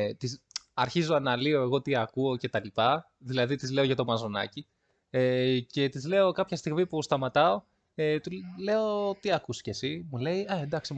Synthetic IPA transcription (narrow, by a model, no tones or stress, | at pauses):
t̪is | ɐɾçizoɐnɐlio̞e̞ɣo̞t̪iɐkuo̞ce̞t̪ɐlipɐ | ðilɐðit̪izle̞oʝɐt̪o̞mɐzo̞nɐ̰ci | ece̞t̪izle̞o̞kɐpçɐst̪iɣmipust̪ɐmɐt̪ɐo̞ | et̪ule̞o̞t̪iɐkusce̞simule̞ieend̪ɐksi